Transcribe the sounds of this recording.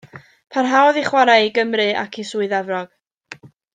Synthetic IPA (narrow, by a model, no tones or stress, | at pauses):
pʰanɦawðiχwaɾajiɡəmrɨa̰kʰisuːɨðɛvrɔɡ̥